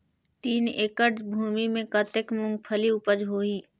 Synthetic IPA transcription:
t̪iːneːkəɖd͡ʒbʱuːmimẽkət̪ekmʊ̃ŋɡ̚pʰəliʊpəd͡ʒɦoːiː

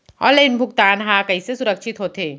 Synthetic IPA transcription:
ɔ̰ːɾleɪnbʱʊkt̪aːnɦãkɐisesʊɾəkʃʰɪt̪ɦoːt̪eː

